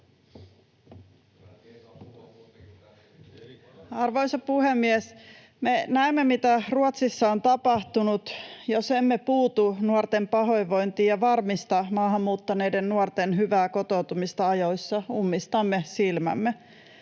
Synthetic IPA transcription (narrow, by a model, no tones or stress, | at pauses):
ɑrʋojsɑpuhemːies | menæemːe̞mit̪æruot̪sisːɑont̪ɑpɑht̪unut̪jose̞mːepuːt̪unuort̪empɑɦo̞jʋo̞jnt̪iːjɑʋɑrmist̪ɑmɑːhɑmːuːt̪ːɑne̞jdennuort̪enɦyʋæːko̞t̪o̞ut̪umist̪ɑɑjo̞jsːɑumːist̪ɑmːesilmæ̰mːe